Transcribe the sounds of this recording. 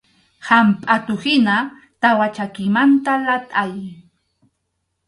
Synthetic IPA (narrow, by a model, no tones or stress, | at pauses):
hampʼat̪ʊhɪna | t̪awat͡ʃakɪmant̪alat̪ʼaj